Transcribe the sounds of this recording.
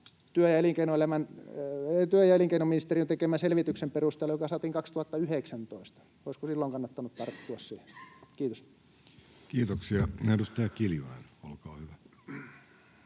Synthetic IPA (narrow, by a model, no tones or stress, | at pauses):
t̪yøjæeliˑŋkeinoelæmæn | t̪yøjæeliŋkeinominist̪erint̪ekeˑmæselʋit̪yksemperust̪eːlːɑojokɑsɑːt̪iŋkɑkst̪uhɑt̪ːɑyheksænt̪oist̪ɑ̥ | oiskosilːoŋkɑnːɑt̪ːɑnut̪t̪ɑrt̪ːuɑssiːhekiːt̪os | kiːt̪oksiɑnedust̪ɑjɑkiljolḛnolkɑːhyʋæ